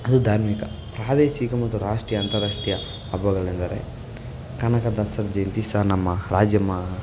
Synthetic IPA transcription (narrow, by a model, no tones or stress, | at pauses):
ɐd̪ud̪ʱaːɾmikɐpɾaːd̪eːʃikɐmɐt̪ːuɾaːʂʈɾijɐːnt̪ɐɾaːʂʈijɐː | bɐɡɐɭind̪ɐɾḛ | kɐnɐkɐd̪ɐsɐɾd͡ʒɐjnt̪isanɐmːɐɾaːd͡ʒjɐmːɐ